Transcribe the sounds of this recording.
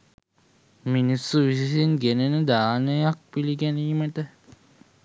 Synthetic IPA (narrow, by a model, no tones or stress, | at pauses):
minisːuʋisisinɡenənəd̪aːnəjak̚pilikæniːməʈə